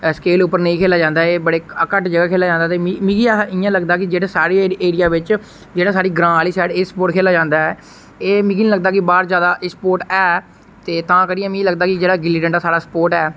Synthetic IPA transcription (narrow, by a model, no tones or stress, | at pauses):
səkeːlʊpːəɾnəĩːkʰeːlaːd͡ʒãːnd̪aːeːbəɽeːəkəʈd͡ʒəɡaːkʰeːlaːd͡ʒãːnd̪aːt̪eːmimĩːɡiaɪjãːləɡd̪aːkɪd͡ʒeːɽaːsaːɽiːeːɽɪjaːʋɪt͡ʃ | d͡ʒeːɽaːsaːɽiːɡɾãːaːliːsɛːɖeːsə̥poːʈkʰeːlaːd͡ʒãːnd̪aːɛː | eːmĩːɡiːnĩləɡ̚d̪aːkɪbaːɾzjaːd̪aːʔsəpoːɾʈɛː | t̪eːt̪ãːkəɽiãːmĩləɡd̪aːkɪd͡ʒeːɽaːɡɪliːʈə̃ɳɖaːsaːɽaːsə̥poːɾʈɛː